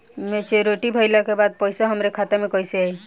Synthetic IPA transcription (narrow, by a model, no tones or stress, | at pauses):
met͡ʃeɾoʈibʱəɪlakebad̪̚pɔjsaɦəmɾekʰat̪emẽkɔiseai